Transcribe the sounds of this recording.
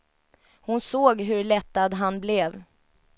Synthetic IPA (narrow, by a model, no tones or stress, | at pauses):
hʊnsoːɡɦɵɭɛt̪ːad̪ɦanblɛv